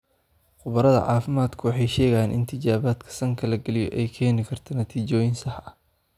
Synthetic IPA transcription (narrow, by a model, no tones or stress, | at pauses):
χʊβɐɾɐðɐ̰ʕɑːfɪmaːd̪kʰʊwɑħɑjʃɛːɣɐjaːnʔɪ̰nt̪ʰɪt͡ʃaːβaːd̪kʰɐ̥sɐŋkʰɐlɐɡɐlɪjɔ̰ʔɛjkʰɛːnɪkʰɐrt̪ʰɐnɐt̪ʰiːt͡ʃɔːjɪnsɐh